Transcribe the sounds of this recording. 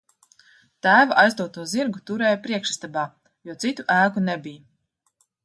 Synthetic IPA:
t̪æːvaʔajzd̪uɔt̪uɔziɾɡut̪uɾɛːjapɾiɛkʃist̪abaː | juɔsit̪uʔæːkunebija

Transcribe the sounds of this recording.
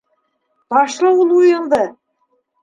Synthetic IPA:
b̥ɑʃlˠɤulˠujɤ̆lˠd̪ɤ

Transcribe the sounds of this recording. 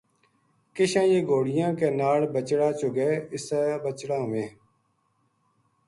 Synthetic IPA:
kɪʃãːjeːɡʱoːɽɪjãːkeːnaːɽbət͡ʃɽaːt͡ʃʊɡeːɪsaːbət͡ʃɽãːʋẽː

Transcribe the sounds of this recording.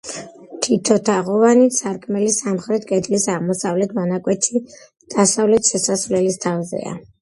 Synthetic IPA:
t̪ʰit̪ʰɔt̪ʰaʁɔvanisaɾkʰʼmɛlisamχɾɛt̪̚ʰkʼɛd̪lisaʁmɔsavlɛt̪ʰmɔnakʼwɛt̪ʰʃi | d̪̥asavlɛt̪ʃɛsasvlɛlist̪ʰavzɛ̰a̰

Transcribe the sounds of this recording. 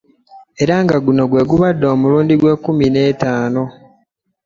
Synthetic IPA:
e̞ɾaŋɡaɡuno̞ɡwe̞ːɡuβadːo̞ːmuluːndiɡwe̞ːkumine̞ːtaːno̞

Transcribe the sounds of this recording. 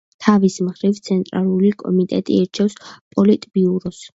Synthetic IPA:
t̪ʰavismχɾivt̪sʰɛnt̪ʼɾalˠulikʼɔ̰mit̪ʼɛ̰t̪ʼḭɛɾt͡ʃʰɛfspʼɔlit̪ʼbiuɾɔs

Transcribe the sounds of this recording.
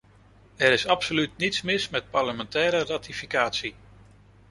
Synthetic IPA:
ɛɾɪsɑpsolytnitsmɪsmɛt̚pɑɹləmɛntɛːɾəraːtifikaːtsi

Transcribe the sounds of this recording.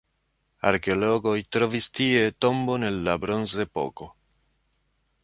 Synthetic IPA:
a̰ɾkeoloɡojt̪ɾovist̪iet̪o̞mbo̞ne̞lːabɾonzepo̰ko

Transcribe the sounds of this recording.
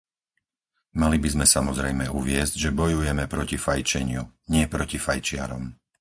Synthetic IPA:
malibizmɛsamɔzɾɛjmɛuʋɪɛzɟʒɛbɔjujɛmɛpɾɔcifajt͡ʃɛɲɪuɲɪɛpɾɔcifajt͡ʃɪa̰ɾɔ̰m

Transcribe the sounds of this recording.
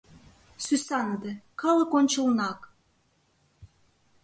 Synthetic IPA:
sysaɑnəd̪ekɑlˠɤkonʲt͡ɕɤ̆lˠnɑk

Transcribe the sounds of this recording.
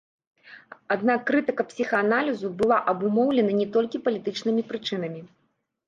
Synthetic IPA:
ad̪nakːɾɨt̪ɨkɐpsʲixɐanalʲizubɨlˠaʔɐbumɔwlʲɛnɐnʲɛt̪ɔlʲkʲipɐlʲit̪ɨt͡ʂnɨmʲipɾɨt͡ʂɨn̪ɐmʲi

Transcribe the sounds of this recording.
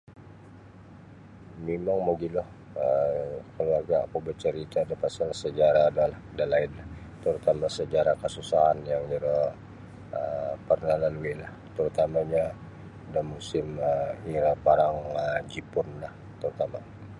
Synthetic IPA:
mimaŋməɡilɔh | əkəluarɡa̰ːkubərt͡ʃəɾit̪adapasalsəd͡ʒaɾadalahkdalaɪnlah | t̪əɾut̪amasəd͡ʒaɾakəsusaɦanjaŋiɾa | əpərnalaluwilaht̪əɾut̪amaɲa | damusɪməiɾapaɾaŋəd͡ʒipʊnlah | t̪əɾut̪ama

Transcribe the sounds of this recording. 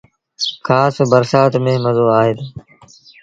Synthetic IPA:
kʰaːsbəɾsaːt̪mẽːməzoːaːɦeːt̪ː

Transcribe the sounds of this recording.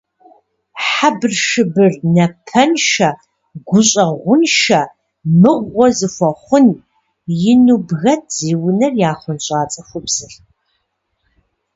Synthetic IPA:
ħabrʃɨbɨrnɐpʰɐnʃɐ | ɡʷʊɕʼɐʁʷʊnʃɐ | mɨʁʷɔzɨxʷɐχʷʊn | jɪnubɣɐtz̥iːwʊnɐrjaːχʷʊnɕʼaːt͡sʼɐxʷʊbz̥ɨɬ

